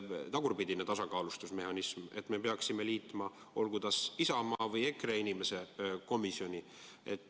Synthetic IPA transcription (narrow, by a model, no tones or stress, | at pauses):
t̪ɑɡ̥urpid̪ine̞t̪ɑsɑkɑːlust̪usme̞hɑnisme̞̰t̪ːˑme̞peɑksime̞liːt̪ːˑmɑ | o̞lɡud̪ɑsisɑmɑːvɤje̞kreinime̞se̞ko̞miso̞nʲi | e̞̰t̪ˑː